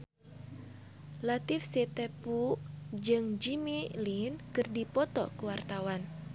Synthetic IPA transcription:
lat̪ifsɛt̪ɛpud͡ʒɨŋd͡ʒimilinkɨrdipɔt̪ɔkuwart̪awan

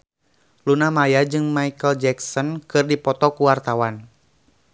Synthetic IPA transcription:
lunamajad͡ʒɨŋmaikəld͡ʒɛksɔnkɨrdipɔt̪ɔkuwart̪awan

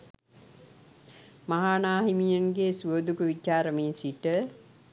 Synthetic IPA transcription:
maɦaːnaːɦimijəŋɡesuəd̪ukəʋit͡ʃaːɾəmensiʈə

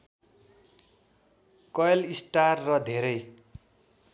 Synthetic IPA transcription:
kʌjlisʈarːʌd̪ʱeɾʌj

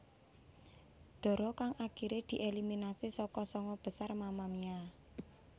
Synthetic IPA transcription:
d̪̥ɔ̤ɾɔkaŋʔaɡ̥iɾed̪̥i̤ʔeliminasisɔkɔsɔŋɔb̥ə̤sarmamamia

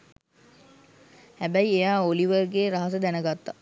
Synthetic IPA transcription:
hæbæiejaːoliʋərɡeːɾaɦas̬əd̪ænəɡat̪ːa

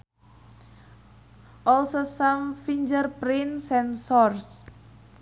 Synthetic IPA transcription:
ʔɔlsosamfiɲd͡ʒərpɾinsɛnsɔrs

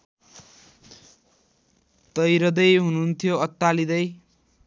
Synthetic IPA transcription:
t̪ʌjɾʌd̪ʌjɦununt̪ʰijoʌt̪ːalid̪ʌj

